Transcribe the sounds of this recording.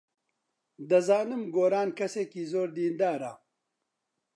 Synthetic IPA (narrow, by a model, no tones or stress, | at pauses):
d̪ɐzaːnɨmɡoːɾaːnkʰɐseːkiːzoːɾd̪iːnd̪aːɾa̰